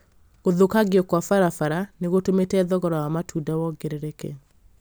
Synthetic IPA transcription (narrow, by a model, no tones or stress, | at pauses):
ɣoðokaɣjɔkwafaɾafaɾaneɣotometɛðɔɣɔɾɔwamatʰudawɔɡeɾeɾekḛ